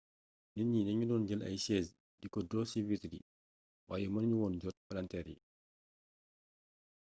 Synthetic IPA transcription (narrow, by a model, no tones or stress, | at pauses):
niɲinɐɲudɔːnɟəlɐ̰jsɛːs | dikɔdɔːsiwitdḭ | waːjɛmɐnɲuwɔːnɟɔt̚pɐlɐntɛɾjḭ